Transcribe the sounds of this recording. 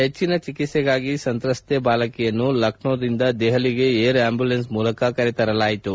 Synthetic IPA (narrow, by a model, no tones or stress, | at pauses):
ɦet͡ʃːinɐt͡ʃikit̪seɡaːɡisɐnt̪ɾɐst̪ʰebaːlɐkɛjɐnːulɐkɳoːd̪ind̪ɐd̪ɛɦɐliɡe̞eːɾaːmbjulensmuːlɐkɐkɐɾit̪ɐɾɐlaːjit̪u